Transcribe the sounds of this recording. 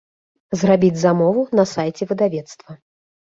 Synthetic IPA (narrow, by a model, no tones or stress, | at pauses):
zrabʲid͡zʲzamɔvunɐsajt͡sʲɛvɨd̪avʲɛt̪st̪vɐ